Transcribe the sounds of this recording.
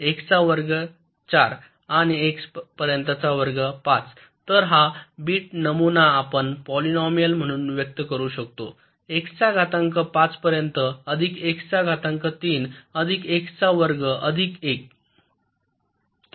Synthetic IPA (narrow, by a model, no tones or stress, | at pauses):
ekt͡saʋəɾɡə | t͡ɕaɾ | añiekspəɾjənt̪at͡saʋəɾɡəpat͡s | t̪əɾɦabiːʈ̚nəmunaːpəɳpɔlinɔmijəlm̤əɽ̃uːnʋjək̚t̪əkəɾuːɕək̚t̪o | ekt͡saɡʱat̪əŋkəpat͡spəɾjənt̪əəd̪ʱikekt͡saɡʱat̪əŋkət̪iːnəd̪ʱikekt͡saʋəɾɡəʔəd̪ʱikek̚